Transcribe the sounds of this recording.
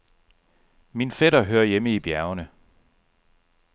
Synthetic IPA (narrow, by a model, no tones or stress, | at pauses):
minfeɾ̥ɐɦøɐjeməib̥jæɐʊnə